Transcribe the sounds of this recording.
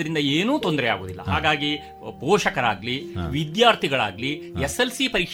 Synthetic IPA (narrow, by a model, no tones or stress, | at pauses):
ɐɾind̪ɐeːnuːt̪ond̪ɾɛja̰ːɡoːd̪ilːɐ̰ɦa̰ːɡaːɡi | poːʃɐkɐɾaːɡliʋid̪jaːɾt̪ʰiɡɐɭaːɡlieselsipɐɾik